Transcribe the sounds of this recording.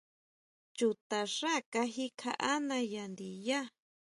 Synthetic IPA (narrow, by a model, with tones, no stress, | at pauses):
t͡ʃu˧˨t̪a˨ʂa˦˨ka˧ɦi˦kʰa˧˦ʔa˦nã˧ja˨nd̪i˨ja˦